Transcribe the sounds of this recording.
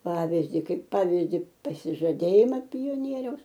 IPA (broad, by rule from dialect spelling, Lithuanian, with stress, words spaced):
ˈpɑːʋʲɪzʲdʲɪ ˈkɐɪp ˈpɑːʋʲɪzʲdʲɪ pɐsʲɪʒɐˈdʲeːjɪmɐ pʲoːˈnʲiɛrʲɛʊs